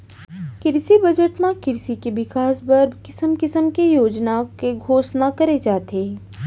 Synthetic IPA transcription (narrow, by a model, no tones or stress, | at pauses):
kɪɾsibɐd͡ʒəʈmãkɪɾsikeʋɪkaːsbɐɾbʱkɪsəmkɪsəmkejoːd͡ʒnakeɡʱoːsnakɐɾed͡ʒaːt̪eː